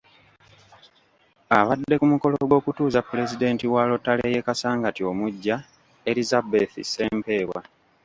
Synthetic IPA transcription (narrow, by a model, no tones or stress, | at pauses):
aβadːe̞kumuko̞loɡo̞ːkutuːzapːule̞zide̞ːntiwaːlo̞tːaleːje̞kasaːŋɡatio̞muɟːa | e̞ɾizabeθḭse̞ːmpe̞ːβwa̰